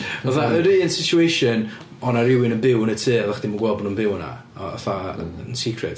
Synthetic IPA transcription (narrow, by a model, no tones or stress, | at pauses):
əðaʔəɾiːənsɪtuejʃɨn | ɔnaɾɪwɪnənbɪwnətʰɨːɛvaχd̥imənɡwɛlˠbnunbɪwna̰ | ɔ̰θaənsikʰrɨ̰t